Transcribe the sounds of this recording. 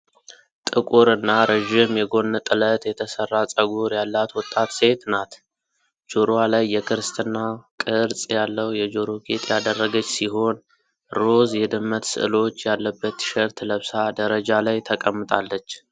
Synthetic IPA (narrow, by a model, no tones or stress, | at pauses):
t̪ʼɨkʼuɾɨnːaɾəʒɪmjɛɡo̞nːt̪ʼɨlət̪jɛt̪ʰəsərːat͡sʼəɡuɾjalːat̪wɔt̪ʼːat̪se̞t̪nat̪ | d͡ʒoɾoalajːɛkʰɨɾst̪ʰɨnːakʼɨɾt͡sʼjalːəwjɛd͡ʒoɾoɡʰet̪ʼjad̪ərːəɡət͡ʃːsiɦo̞n | ɾo̞zjɛd̪ɨmːət̪sɨ̰ɨ̰lo̞t͡ʃːjalːəbːət̪ʃəɾt̪ləβsad̪əɾəd͡ʒalajt̪ʰəkʼəmːɨt̪ʼalːət͡ʃː